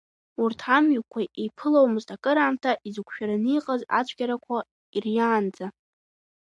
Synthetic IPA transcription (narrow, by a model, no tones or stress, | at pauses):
urtʰamɥukʷʰaʔejpʰɨlowmɨztʰʼakʼɨɾaːmtʰaʔizɨkʷʰʃᶣaɾanijqʼaza̰t͡ɕʷʰʼɡʲaɾakʷʰa | irjaːnd͡za